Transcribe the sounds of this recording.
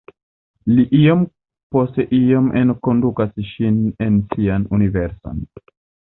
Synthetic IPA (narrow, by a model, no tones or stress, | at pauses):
liʔiom | po̞ste̞ʔiomʔenko̞ndukasʃine̞nsianuniveɾso̰n